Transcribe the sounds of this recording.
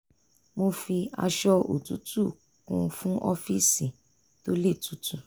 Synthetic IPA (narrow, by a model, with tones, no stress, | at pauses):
mo˧fi˧a̰˧ʃɔ˧ʔo̰˨tu˨˦tu˦˨ | kũ˧fũ˦ʔɔ˧fi˦sĩ˨ | to˦le˦˨tu˨˦tu˦˨